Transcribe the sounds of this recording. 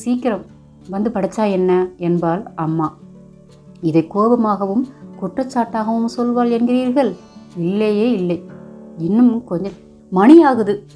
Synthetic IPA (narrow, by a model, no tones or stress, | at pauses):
siːkːɪɾɐm | ʋɐnd̪ɯpɐɽɐt͡ʃːaːjɛnːɐɛnbaːlɐmːaː | ɪðɐɪkːoːbɐmaːɣɐʋɯmkʊʈrɐt͡ʃːaːʈːaːɣɐʋɯmsɔlʋaːlɛnɡɪriːɾɣɐɭɪlːɐjeːɪlːɐɪɪnːɯmkɔɲd͡ʒ | mɐɳɪjaːɣɯðɯ